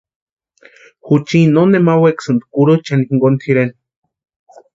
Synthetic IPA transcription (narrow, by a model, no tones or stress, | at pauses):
xut͡ʃinonemaweksɨnd̪kuɾut͡ʃanikiŋɡont̪ʰiɾen